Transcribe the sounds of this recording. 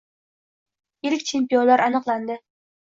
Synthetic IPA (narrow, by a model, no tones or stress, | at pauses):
eɾɪkʲt͡ʃʰempijonlaɾɑnɨqlˠand̪ɪ